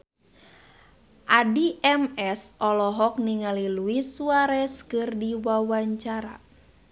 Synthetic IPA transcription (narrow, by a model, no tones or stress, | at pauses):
ʔadiʔɛmɛsɔlɔɦɔk̚niŋaliluisuaɾɛskɨrdiwawaɲt͡ʃaɾa̰